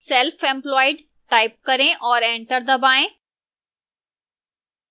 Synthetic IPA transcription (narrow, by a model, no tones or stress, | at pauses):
selfẽːmplɔːɪɖ | ʈaːɪp̚kɐɾẽʔɔːɾẽɳʈəɾd̪ɐbaːẽ